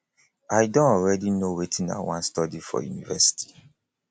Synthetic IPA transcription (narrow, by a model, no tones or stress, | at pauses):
ajdõnɔɹɛdinowetʰĩna̰wã̰nstɔdifɔ̰junivɛsi̥tʰi̥